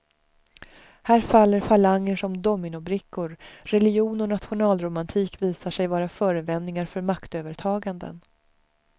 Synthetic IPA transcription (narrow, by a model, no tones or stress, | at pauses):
hæːɾfalːəɾfalaŋːəʂɔmd̪ɔmɪnʊbɾɪkːʊɾːɛlɪjuːnɔnat̪ɧʊnɑːlɾʊmant̪ʰiːkviːsaʂɛjvɑːɾafœːɾəvɛnnɪŋaɾfœɾmakt̪øːvəɾʈʰɑːɡand̪ə̰n